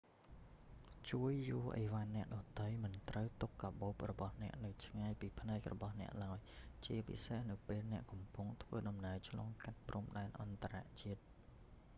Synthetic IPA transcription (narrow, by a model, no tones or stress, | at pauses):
t͡ɕuəjːuəʔə̰ʋanːɛ̆əʔɗɑt̪ɨjmɨnt̪rəwt̪ukːaɓoːp̚rɔɓɑhnɛ̆əʔnɨwt͡ɕʰŋajpiːpʰnaɛk̚rɔ̰ɓɑhnɛ̆əʔlaɔjt͡ɕiəpḭsehnɨwpeːlnɛ̆əʔkɑmpʊŋt̪ʰʋəːɗɑmnəət͡ɕʰlɑːŋkat̪̚pruəmɗaɛnʔɑnt̪araʔt͡ɕiət̪̚